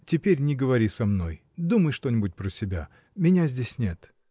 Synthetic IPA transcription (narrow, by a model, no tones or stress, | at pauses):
tʲɪpʲeɾʲnʲɪɡəvɐɾʲisɐmno̞̰j | d̪uməjʂt̪o̞nʲɪbʊt̚ʲpɾəsʲɪbʲa̰ | mʲɪnʲazʲdʲesʲnʲet̪